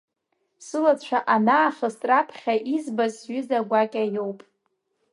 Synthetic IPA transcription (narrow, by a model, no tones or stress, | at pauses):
sɨlat͡ʃʷʰaʔanaːχʲəstʼrapʰχʲaʔizbazɥʏzaɡʷakʲʼajowpʼ